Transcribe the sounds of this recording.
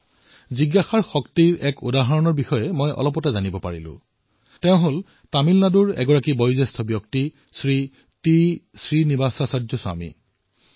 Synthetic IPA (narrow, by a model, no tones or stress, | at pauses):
ziɡːaxaɹxɔktiɹɛkudaɦaɹɔnɔɹbixɔjɛmɔjʔɔ̰lɔp̬ɔtɛzanibɔpaɹilʊ̰̃ | teʊ̃ɦol | tamilnaduɹɛ̰ɡɔɹakibɔjuzestʰɔbjɔk̚ti | sɹi | tisɹinibasasadzɔswa̰mḭ